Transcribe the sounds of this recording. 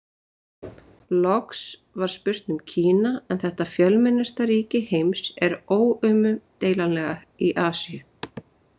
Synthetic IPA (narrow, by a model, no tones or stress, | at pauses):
lɔksvaɾ̥spʏr̥t̪nʏmcʰiːnaɛnθɛht̪afjœlmɪnːʏst̪aɾiːcɪhejmsɛɾoːwʏmʏt̪eːjlanlɛɣa | iʔaːsijʏ